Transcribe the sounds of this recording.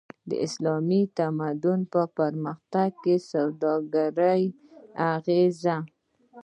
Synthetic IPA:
d̪ə̰ʔɪ̰slɑmit̪amad̪ʊnpəpəɾməxt̪aɡ̚kesawd̪ɑɡaɾəj | aɣeza

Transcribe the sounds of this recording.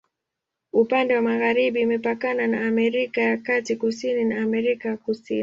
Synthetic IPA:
upandɛwamaɣaɾiɓimɛpakananaːmɛɾikajakatikusininaːmɛɾikajakusḭni

